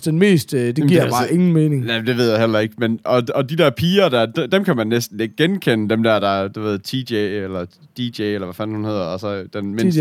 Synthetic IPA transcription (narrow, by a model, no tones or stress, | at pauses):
d̥enme̝̰ːsd̥d̥eɡiɐ̰̥se̝ŋn̩meːne̝ŋnæmd̥e̝ʋe̝ð̞̰ˠjɑɦel̰ɐe̝ɡ̥menɒ̽ɒ̽d̥id̥ɛɐpʰiːɐd̥æd̥d̥emkʰæmænːesd̥n̩e̝ɡ̥̚ɡ̥enkʰenəd̥emd̥æɐ̰ɾ̥ɑ̈æɐd̥uʋe̝ð̞̰ˠt͡sʰi̥eelɐ | d̥id̥eelɐʋæfænhunhe̝ð̰ˠɐɒsɒ̽d̥enmens